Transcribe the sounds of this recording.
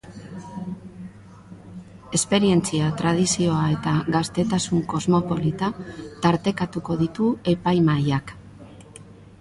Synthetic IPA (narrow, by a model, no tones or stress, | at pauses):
e̞spe̞ɾie̞nt͡siat̪ɾað̞isio̞ae̞t̪aɣast̪e̞t̪asuŋko̞zmo̞po̞lit̪at̪aɾt̪e̞kat̪uko̞ðit̪ue̞pajmajak